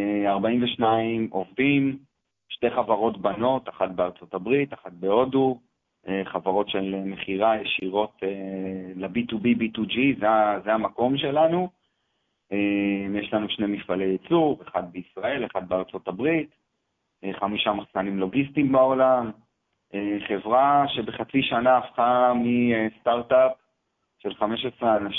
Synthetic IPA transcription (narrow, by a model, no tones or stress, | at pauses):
aʁbaimveʃnaimʔo̞vdim | ʃte̞χavaʁo̞tbano̞taχat̚beaʁt͡so̞tabʁitaχat̚beo̞du | eχavaʁo̞tʃeleme̞χiʁajeʃiʁo̞telabitubibit̪ud͡ʒizeazeamako̞mʃe̞lanu | emjeʃlanuʃne̞mifalejet͡suʁeχad̪̚beisʁae̞leχad̪̚beaʁt͡so̞tabʁit | eχamiʃamaχsanimlo̞ɡistimbao̞lam | eχe̞vʁaʃe̞beχat͡siʃanaːfχamiest̪aʁtap | ʃe̞lχame̞ʃesʁeana